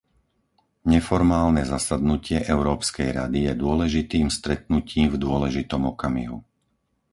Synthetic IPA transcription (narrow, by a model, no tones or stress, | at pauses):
ɲɛfɔɾmaːlnɛzasad̪nucɪɛʔɛʊɾɔːpskɛjɾa̰d̪ijɛd̪ʊɔlɛʒit̪iːmst̪ɾɛt̪̚nuciːmvd̪ʊɔlɛʒit̪ɔmɔkamḭɦṵ